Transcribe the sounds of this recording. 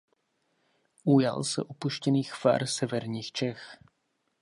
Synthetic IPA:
ʔuja̰lsɛ̰ʔopuʃcɛniːxfa̰ɾsɛvɛɾɲiːxt͡ʃɛx

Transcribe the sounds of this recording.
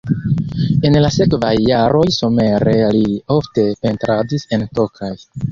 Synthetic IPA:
e̞nlase̞kvajːaɾo̞jsome̞ɾe̞lio̞fte̞pe̞ntɾadise̞nto̞kʰaj

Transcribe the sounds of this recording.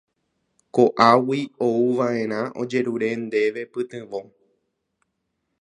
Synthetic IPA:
koʔawiouʋaʔẽ̞ɾ̃ãʔo̰d͡ʒe̞ɾuɾe̞nd̪e̞ʋe̞pɨt̪ɨ̃ʋo

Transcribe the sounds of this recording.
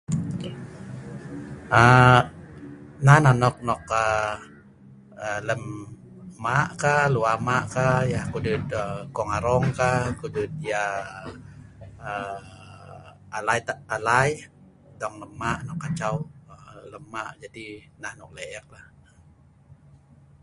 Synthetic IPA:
ə | nahnanɔk̚nɔkə | ələmː | aʔkaluamaʔkajahkudut̪̚əkɔŋaɾɔŋkakudut̪̚ija | ə | alajt̪aalaj | dɔŋləmːaʔnɔkːat͡ʃawələmːaʔd͡ʒadinahnɔk̚leək̚lahə

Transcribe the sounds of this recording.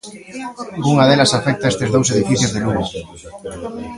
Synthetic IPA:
ɡuŋaðelɐsafɛk̚t̪ɐest̪ezðows̬eðifiθjozðeluɣo

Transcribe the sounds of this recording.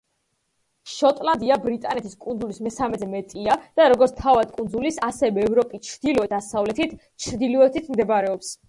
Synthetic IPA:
ʃɔt̪ʼland̪iabɾit̪ʼanɛt̪ʰiskʼund̪zulismɛsamɛzɛmɛt̪ʼiad̪̥aɾɔɡɔɾt̪ʰt̪ʰavad̪̚kʼund̪zulisasɛvɛːvɾɔpʼit͡ʃʰɾd̪ilɔɛd̪̥asavlɛt̪ʰit̪ʰ | t͡ʃʰɾd̪ilɔɛt̪ʰit̪ʰmd̪ɛbɾɛɔps

